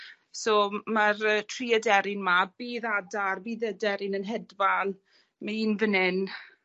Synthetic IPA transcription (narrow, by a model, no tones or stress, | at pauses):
somarətʰriədɛɾɪnmabiːðadarbiːðədɛɾɪnənɦɛdvalˠ | maiːnvənɪn